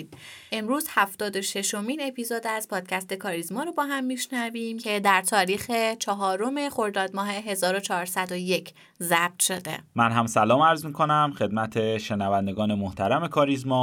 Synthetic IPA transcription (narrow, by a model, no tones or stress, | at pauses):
d̪ʔe̞mɾuːzhæft̪ɒːd̪o̞ʃe̞ʃo̞miːne̞piːzod̪æzpʰɒːd̪̥cʰæst̪ekʰɒːɾizmɒːɾobɒːɦæmːiʃnæviːmcʰe̞d̪æɾt̪ʰɒːɾiːxet͡ʃʰɒɦɒːɾo̞me̞χo̞ɾd̪ɒːd̪̚mɒːɦe̞ɦe̞zɒːɾo̞t͡ʃʰɒːɾsæd̪oje̞cʰ | zæb̥̚t̪ʃo̞d̪e̞̰mænɦæmsælɒːmæɾzmiːkʰonæmxe̞d̪̚mæt̪ʰeʃenævænd̪eɡɒːnemoht̪ʰæɾæme̞kʰɒːɾizmɒː